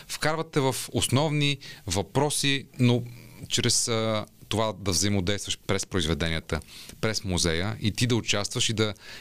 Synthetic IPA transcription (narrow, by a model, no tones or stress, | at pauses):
fkaɾvɐt̪ːɛvəfosnɔvnivɐpɾɔsinot͡ʃɾɛst̪ovad̪ɐvzɐimod̪ɛjst̪vəʃpɾɛspɾʊizvɛd̪ɛniət̪əpɾɛsmuzɛjəʔit̪id̪ɐʊt͡ʃast̪vəʃid̪ɐ